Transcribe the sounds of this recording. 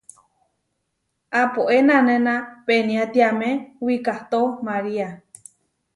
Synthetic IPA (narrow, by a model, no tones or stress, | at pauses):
apoʔenãnẽnãpenĩat̪iamẽwikaht̪omaɾia